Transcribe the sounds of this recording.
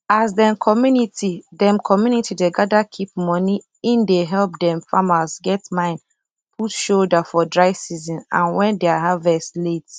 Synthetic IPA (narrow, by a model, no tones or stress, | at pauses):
azdɛ̃mkʰɔmjunitidɛ̃mkʰɔmjunitʰideɡadakʰip̚mɔni | ĩndeɦɛlp̚dɛ̃mfamazɡɛtmãɪ̃n | pʰutʃoldafɔdɹaɪvsizĩnã̰nwɛ̃ndeaɦavɛstlet